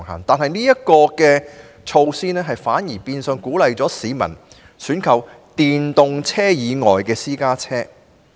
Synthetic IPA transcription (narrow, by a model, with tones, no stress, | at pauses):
ŋɦa̰ː˨˩ŋt̪aː˨nɦɐ˨jniː˥jɐ˥t̚kɔː˧kɛː˧ | t͡ʃʰo˧wsiː˥nɛː˥ɦɐ˨jfaː˨˥njiː˨˩piː˧nsœ˨˧ŋkuː˨˥lɐ˨jt͡sɔː˨˥siː˨˧mɐ̰˨˩n | syː˨˥nkʰɐ˨w | t̪iː˨nt̪ʊ˨ŋt͡sʰɛː˥jiː˨˧ŋɔː˨jkɛː˧siː˥kaː˥t͡sʰɛː˥